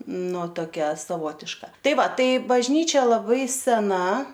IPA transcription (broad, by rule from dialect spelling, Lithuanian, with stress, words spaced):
ˈnʊ toːˈkʲɛ sɐˈʋoːtʲɪʃkɐ ˈtɐɪ ˈʋɐ ˈtɐɪ bɐʒʲˈnʲiːt͡ʃʲɛ lˠɐˈbɐɪ sʲɛˈnɐ